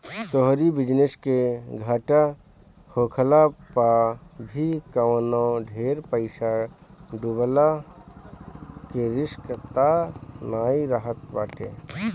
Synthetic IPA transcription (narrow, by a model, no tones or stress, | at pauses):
t̪oɦɾibɪd͡ʒnɪskeɡʱaːʈa | hoːkʰəlapabʱikəwnõɖʱeːɾpəɪsaɖubla | keɾɪskət̪anaːiɾaɦət̪ba̰ːʈe